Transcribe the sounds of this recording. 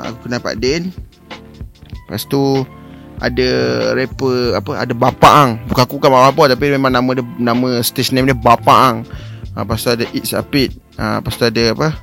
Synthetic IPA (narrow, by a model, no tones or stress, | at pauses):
a̰kukənapa̰ʔdɛn | pa̰st̪u | ʔa̰dəɾepəapəa̰dəbapaʔŋbukaakubukanmakapɔt̪apimemãŋnamə̃dnamə̃st̪esənamdəbapaŋə̰past̪uadəʔit̪sa̰pit̪̚ | ə̰past̪uadəapə